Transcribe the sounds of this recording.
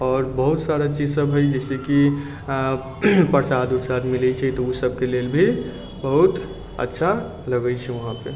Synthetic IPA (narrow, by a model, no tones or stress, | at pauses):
ɔːɾbəɦʊt̪saɾat͡ʃiːd͡ʒsəbɦojd͡ʒɛːseki | pəɾsad̪ʊɾsad̪mɪlit͡ʃʰɛit̪ousəb̚keleːlbʱi | bəɦut̪ | ə̰tːʃʰa | ləɡət͡ʃʰɛʋɐɦãpḛ